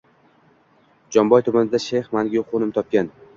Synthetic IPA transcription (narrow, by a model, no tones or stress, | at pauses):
d͡ʒɒmbɒjt̪ʰʊmanɪd̪aʃejχmanɡʲiqʰonɪmt̪ʰɒp̚kʲan